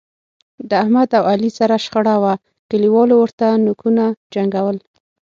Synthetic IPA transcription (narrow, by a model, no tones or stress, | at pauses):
d̪əahmad̪awalisaɾaʃxaɽawa | kəliwɑlowəɾt̪anukunad͡ʒaŋɡawəl